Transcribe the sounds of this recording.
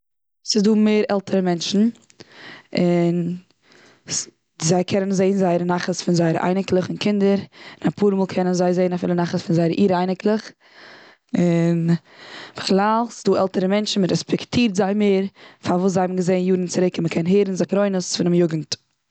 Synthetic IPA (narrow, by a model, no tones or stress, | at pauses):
sɪzduːmeɪɾɛlˠtʰəɾəmɛnʃn̩ | ɪn | zaɪkʰɛnənzeɪnzaɪəɾənaχəsfɪnzaɪəɾʔa̰ɪnɪklˠəχɪnkʰɪndəɾɪnapʰuːɾmuːlˠkʰɛnənzaɪzeɪnafɪ̰lˠənaχəsfɪnzaɪəɾʔiːɾaɪnɪklˠəχ | ɪn | m̥əχlˠaːlˠsɪ̥zduːʔɛlˠtəɾəmɛnʃn̩məɾɛspʰɛktʰiːɾtzaɪmeːɾfaɾvuːszaɪabmɡəzeɪnjuːdn̩t͡sɪɾɪkɪnməkʰɛnɦeːɾn̩zɪχɾoɪnəsfɪnɪmjʊɡn̩t